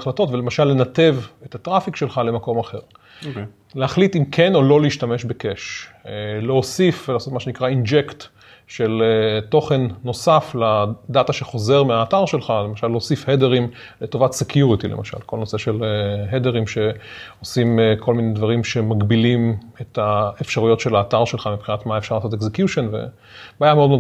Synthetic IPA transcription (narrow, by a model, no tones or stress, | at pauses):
χlato̞tvele̞maʃalːe̞nate̞vetat̪ʁafikʃe̞lχale̞mako̞maχe̞ʁ | lehaχlitimkʰeno̞lo̞leiʃtameʃbekeʃ | leosifvlaːso̞t̪maʃenikʁaind͡ʒekt̪ | ʃelto̞χe̞nːo̞saflad̪ataʃeχo̞ze̞ʁmeaːtaʁʃe̞lχalemaʃalːeosifhedeʁim | leto̞vatsekjuʁitilḛmʔaʃa̰lkʰo̞lno̞se̞ʃe̞leɦedeʁimʃe̞osimkʰo̞lminedvaʁimʃe̞maɡbilimet̪aefʃaʁujo̞tʃe̞laːtaʁʃe̞lχamipχinat̪maefʃaʁlaːsot̪ekzekjuʃonvḛ | baːjameodmo